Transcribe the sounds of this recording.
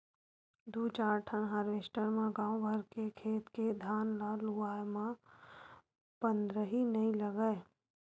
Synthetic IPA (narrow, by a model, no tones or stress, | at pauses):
d̪uːt͡ʃaːɾʈʰəɳɦəɾʋeːʃʈəɾmẽɡãːobʱəɾkekʰeːt̪ked̪ʱaːnlaluaːjmã | pə̃nd̪ɾəɦinɐɦĩləɡəe